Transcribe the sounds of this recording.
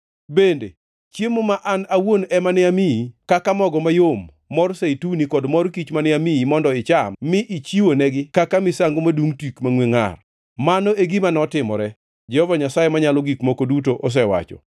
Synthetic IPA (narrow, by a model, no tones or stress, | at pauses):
bendḛ | t͡ʃjemomaʔanawonɛmanɪamiikakamɔɡɔmajomː | ɔrseitunikɔdmɔrkit͡ʃmanɪamiimɔndɔɪt͡ʃamːɪʔit͡ʃiwonɛɡɪkakamɪsaŋɡomaduŋtikmaŋweŋa̰r | manoeɡimanɔtɪmɔ̰ɾɛ | d͡ʒɛhɔvaɲasajemaɲalɔɡikmokodutoʔɔs̬ɛwa̰t͡ʃɔ̰